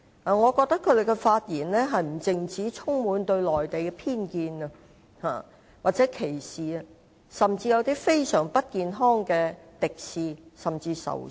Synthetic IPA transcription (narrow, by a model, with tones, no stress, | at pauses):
ʔa˨ŋɔː˨˧kɔː˧k̚t̪ɐ˥kʰːɵ˨˧d̪e˨jkɛ˧faː˧t̚jiː˨˩nlɛː˥ɦɐ˨jm̩˨˩t͡sɪ˨ŋt͡siː˨˥t͡sʰʊ˥ŋmuː˨˧nt̪ɵ˧ɥlɔː˨˩jt̪e˨jkɛ˧pʰiː˥nkiː˧nɐ˧ | ha̰ː˨ | waː˨t̚t͡sɛː˨˦˥kʰe˨˩jsiː˨˩ɐ˧ | sɐ˨˩mt͡siː˧jɐ˨˧wt̪iː˥fe˥jsœː˨˩ŋpɐ˥t̚kiː˨nɦɔː˥ŋkɛː˧t̪ɪ˨k̚siː˨sɐ˨mt͡siː˧sɐ̰˨˩w